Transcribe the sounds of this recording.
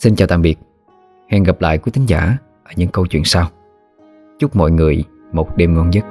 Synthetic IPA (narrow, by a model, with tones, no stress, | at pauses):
si˧nt͡ɕaː˨˩wt̪a̰ː˧˨ɓi˨˩ək̚ | hɛ˧nɣa˨˩p̚la̰ː˧˨jkwi˨˦t̪ʰï˨˦ŋ̟zaː˧˩ | ʔəː˧˩ɲɨ̰˧˥ŋkə˧wt͡ɕwḭ˧˨ənsaː˧w | t͡ɕu˦˥k͡p̚mɔ̰˧˨jŋɨ˨˩əj | mo˨˩t̚ɗe˧mŋɔ˧nzə˦˥t̚